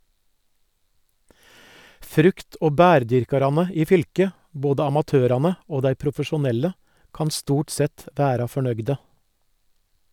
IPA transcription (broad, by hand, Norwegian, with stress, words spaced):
ˈfɾʉkt ˈoː ˈbæːɾˌdʏɾkɑɾɑnə ˈiː ˈfʏlkə ˈboːdə ɑmɑˈtøːɾɑnə ˈoː ˈdæɪ pɾʊfəʃʊˈnɛlə ˈkɑn ˈstuːʈ ˈsɛt ˈʋæːɾɑ fɔˈɳœɡdə